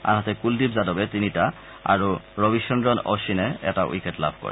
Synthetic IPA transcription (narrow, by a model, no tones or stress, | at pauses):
a̰nɦɔt̪ɛkuldibzadɔbɛt̪inita | a̰ɹuɹobiʃɔnɹɔnɔ̰ʃinɛɛ̰taʔṵjkɛtla̰bʱkɔ̰ɹɛ̰